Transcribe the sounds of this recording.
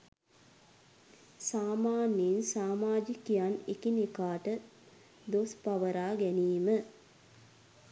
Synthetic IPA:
saːmaːninsaːmaːd͡ʒikijanekinikaːʈə | d̪ospaʋəɾaːɡæniːmə

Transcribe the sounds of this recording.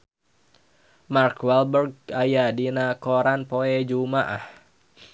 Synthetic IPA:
markwɛlbərɡ̚ajadinakoɾanpoɛd͡ʒumaʔah

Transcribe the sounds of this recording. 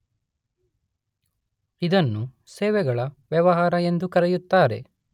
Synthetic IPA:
id̪ɐnːu | seːʋɛɡɐɭɐʋjɐʋɐɦaːɾɐe̞nd̪ukɐɾɛjut̪ːaːɾe̞̰

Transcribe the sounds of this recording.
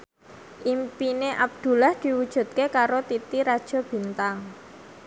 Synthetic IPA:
ʔimpineʔab̚d̪̥ṳlahd̪̥i̤wud̥ʒ̥ṳt̪̚kekaɾot̪it̪iɾad̥ʒ̥ɔ̤b̥i̤nt̪aŋ

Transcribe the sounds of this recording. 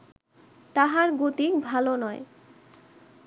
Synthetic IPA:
t̪aɦaɾɡot̪ikbʱalonɔe

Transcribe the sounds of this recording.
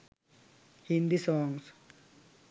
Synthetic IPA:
hind̪isɔːŋs

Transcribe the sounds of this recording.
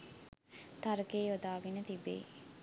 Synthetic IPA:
t̪aɾkeːjod̪aːɡinət̪ibḛː

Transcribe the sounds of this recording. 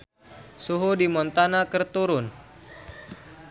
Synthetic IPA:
suɦudimɔnt̪anakərt̪uɾʊn

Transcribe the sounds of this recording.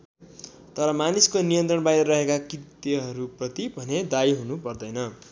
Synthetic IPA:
t̪ʌɾʌmaniskonijʌnt̪rʌɳbajɾʌrʌɦekakrit̪jeɦʌɾuprʌt̪ibʱʌned̪ajɦunupʌrd̪ʌjnʌ

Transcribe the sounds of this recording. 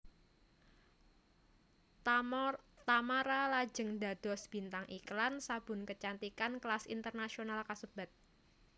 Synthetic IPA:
t̪amaɾalad͡ʒə̤ŋda̤d̪̥ɔ̤sb̥int̪aŋʔiklansab̥ʊ̤nkət͡ʃant̪ikanklasḭnt̪ərnasionalkasəb̥at̪̚

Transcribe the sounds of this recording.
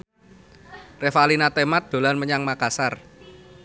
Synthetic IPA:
refalinat̪emat̪̚d̪̥o̤lanməɲaŋmakasar

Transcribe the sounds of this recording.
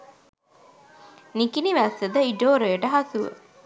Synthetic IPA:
nikiniʋæsed̪əiɖoːɾeːʈəɦɐsuʋə̰

